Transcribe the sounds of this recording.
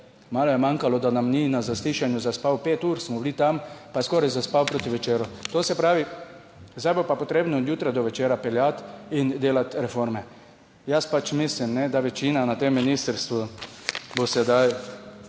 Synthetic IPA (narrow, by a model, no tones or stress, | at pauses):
maːlɔjɛmaŋkalɔd̪anamninazasliːʃanjuzaspawpeːt̪uːɾsmɔblit̪ampaskɔːɾajzaspawpɾoːt̪iʋɛt͡ʃeːɾut̪oːsɛpɾaːʋi | zd̪ajbopapɔt̪ɾeːbnɔod̪juːt̪ɾajd̪ɔʋɛt͡ʃeːɾapɛljat̪ind̪eːlat̪ɾɛfoɾmɛ | jaspat͡ʃmislimnɛd̪aʋɛt͡ʃiːnanat̪emːinist̪əɾst̪ʋu | bosɛd̪aj